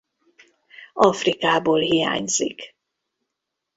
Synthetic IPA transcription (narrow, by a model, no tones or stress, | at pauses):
ɒfrikaːboːlɦija̰ːɲz̥ḭk